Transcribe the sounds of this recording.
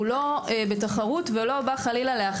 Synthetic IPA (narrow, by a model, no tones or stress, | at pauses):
lo̞ebe̞taχaʁutvelo̞baχalilaleaχ